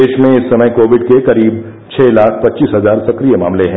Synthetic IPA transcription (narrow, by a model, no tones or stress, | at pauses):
eːʃmẽɪsːɐməjkoːʋɪɖkekɐɾiːb̚ | t͡ʃʰɛːlaːkʰpɐtːt͡ʃiːsɦɐzaːɾsɐkɾijema̰ːmleɦɛ̃